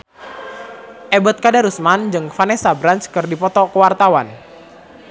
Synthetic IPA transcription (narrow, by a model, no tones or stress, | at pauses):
ʔɛbɔt̪̚kadaɾusmand͡ʒɨŋfanɛsabɾant͡ʃkɨrdipɔt̪ɔkəwart̪awan